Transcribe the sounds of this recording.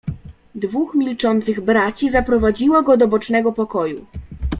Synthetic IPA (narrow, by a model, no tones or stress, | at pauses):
d̪vuxmʲilt͡ʂɔnt̪sɘɣbɾat͡ɕizapɾɔvad͡ʑiwɔɡɔd̪ɔbɔt͡ʂnɛɡɔpɔkɔju